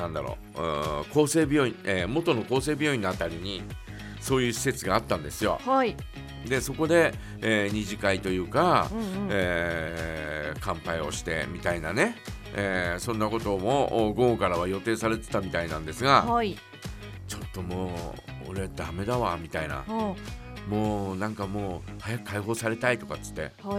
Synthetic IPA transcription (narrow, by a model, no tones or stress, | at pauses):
nãnd̪aɾo̰ | ɯko̞ːse̞ːbʲo̞ːĩemo̞t̪o̞no̞ko̞ːse̞ːbʲo̞ːĩnːat̪ːaɾʲiɲ̟i | so̞ːjɯ̟ːɕi̥se̞t͡sɨɡaːt̪ːãnd̪e̞sɨjo̞̰h | d̪e̞so̞ko̞d̪e̞ | eɲ̟iʑikait̪o̞jɯ̟ːka | e | kãmpaio̞̰ɕi̥t̪e̞̰mʲit̪ainane̞ | eːsõ̞nːako̞t̪o̞mo̞ʔːɡõ̞ːŋkaɾaβ̞ajo̞t̪e̞ːsaɾe̞t̪e̞̥t̪amʲit̪ainãnd̪e̞sɨɡa | t͡ɕo̞t̪ːo̞moː | o̰ɾe̞d̪ame̞d̪aβamʲit̪aina̰ | mo̞ːnãŋkamo̞ːhajakɯ̥kʰaiɦo̞ːsaɾe̞t̪ait̪o̞kat͡sɨ̥t̪ːe̞̰